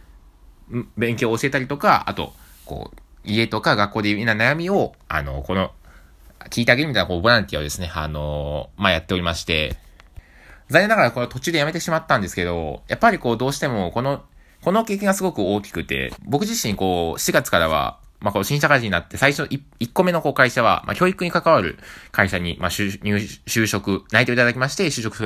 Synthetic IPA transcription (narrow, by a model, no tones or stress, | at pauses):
bẽ̞ŋkʲo̞ːɕie̞t̪aɾʲit̪o̞kaa̰t̪o̞̰ko̰ːie̞t̪o̞kaɡakːo̞ːd̪einanajamʲio̞ | a̰no̞̰ko̞no̞ | kʲiːt̪eaɡe̞ɾɯ̟mit̪ainakoːbo̞ɾãnt̪ʲiaod̪e̞sɨneano̞majat̪ːe̞o̞ɾʲimaɕi̥t̪e̞̰ | zanenaɡaɾako̞not̪o̞t͡ɕɨɯːd̪e̞jame̞t̪̬e̞ɕimat̪ːãnd̪e̞sɨ̥ke̞d̪o̞japːaɾʲiko̞ːd̪o̞ːɕi̥t̪e̞mo̞ko̞no̞ | ko̞no̞ke̞ːkʲĩŋɡasɨɡo̞kɯ̟o̞ːkʲi̥kɯ̟t̪e̞̰bo̞kɯ̟ʑiɕĩŋko̞ːɕiɡat͡sɨ̥kaɾaβ̞a̰ | makoɕĩɰɕakaʑiɲnat̪ːe̞saiɕoʔiikːo̞me̞no̞ko̞ːkaiɕaβa̰mʔa̰kʲoːikɯ̟ɲ̟ikakaβaɾɯ̟̰kaiɕaɲ̟imaɕɲʲɨːɕɨːɕo̞kɯ̟nait̪eit̪ad̪akʲimaɕi̥t̪e̞ɕɨːɕo̞kɯ̟̥s